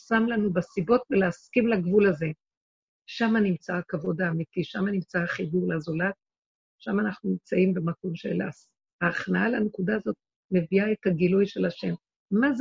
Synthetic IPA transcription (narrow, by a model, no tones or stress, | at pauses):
samlanubesibo̞tveleaskimlaɡvulaze̞ | ʃamanimt͡sakavo̞daːmitiʃamanimt͡saχibuʁlazolat̚ | ʃamanaχnunimt͡saimbemako̞mʃḛla̰s | haːχnaalanekudaːzo̞t̚ | me̞viae̞taɡilujʃe̞laʃe̞m | maz